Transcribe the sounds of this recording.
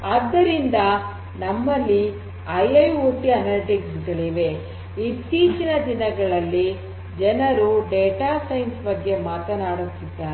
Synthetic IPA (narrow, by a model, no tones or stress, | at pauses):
ɐːd̪ːɐɾind̪ɐ | nɐmːɐlːi | ɐjɐjoːʈiɐnɐlʈiksɡɐɭiʋe̞ | it̪ːiːt͡ʃinɐd̪inɐɡɐɭɐlːi | d͡ʒɛnɐɾuɖeːʈaːsɐjnsbɐɡːe̞maːt̪ɐnaːɽut̪ːid̪ːaː